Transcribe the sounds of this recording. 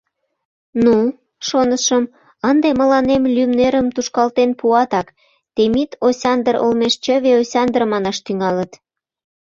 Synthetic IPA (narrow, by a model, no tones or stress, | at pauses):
nu | ʃonəʃəm | ənd̪emə̆lɑnemlʲymneɾəmt̪uʃkɑlt̪enpuɑt̪ɑk | t̪emit̪osʲɑnd̪əro̰lmeʃt͡ɕəβeosʲɑnd̪ərmɑnɑʃt̪yŋɑlət̪